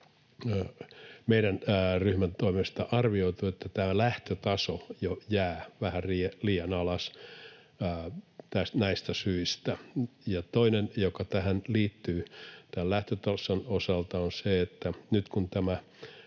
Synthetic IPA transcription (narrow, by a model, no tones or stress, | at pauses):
meiɾænryhmænt̪oimest̪ɑʔɑrʋioit̪uet̪ːæt̪æælæht̪øt̪ɑsojojæːʋæhæriːliːɑnɑlɑsː | t̪æsnæist̪æsyist̪æjɑt̪oinenjokɑt̪æhænliːt̪ːyːt̪ællæht̪øt̪ɑsonosɑlt̪ɑonseet̪ːænyt̪kunt̪æmæ